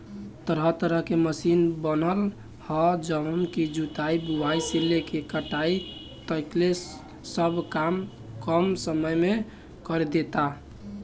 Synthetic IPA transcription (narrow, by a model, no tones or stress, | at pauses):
t̪əɾət̪əɾəɦkeməsinbənəl | hɔd͡ʒəmkid͡ʒut̪aibubaiselːekekəʈai | t̪əkle | səbʱkam | kəmsəməjme | kɔɾed̪et̪a